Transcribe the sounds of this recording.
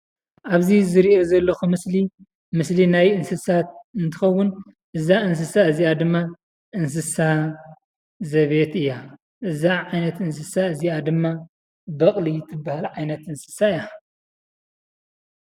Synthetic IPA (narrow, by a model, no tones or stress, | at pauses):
ʔaβzizɨɾiʔo̞zɐlːɐxumɨsli | mɨslinajɨnsɨsat̪̚ɨnt̪ʰɨxɐwːʊn | ʔɨzaɨns̬ɨsaɨziad̪ɨmːa | ʔɨns̬ɨsa | zɐβe̞t̪ɨjːa | ʔɨzaʕajnɐt̪ɨns̬ɨsaɨziad̪ɨmːa | bɐχʼlit̪ʰɨbːahalʕajnɐt̪ɨnsɨ̥saɨja